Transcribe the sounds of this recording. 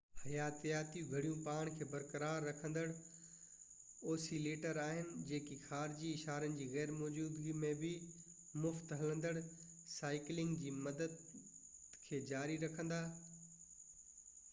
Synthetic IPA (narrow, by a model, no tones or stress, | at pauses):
hɐjaːt̪ijaːt̪ijũɡʱɐɽijũpaːɽ̃kʰeːbɐɾkəɾaːɾːɐkʰə̃nd̪əɽ | oːsiːleːʈəɾaːɦɪnɪ̆d͡ʑeːkixaːɾd͡ʑiɪʃaːɾənɪ̆d͡ʑiːɣɛːɾmɔːd͡ʑuːd̪ɡimẽbɪ | mʊft̪ɦɐlə̃nd̪əɽ | saːɪklɪ̃ŋɡd͡ʑiːmɐd̪əd̪ | kʰeːd͡ʑaːɾiɾɐkʰə̃nd̪aː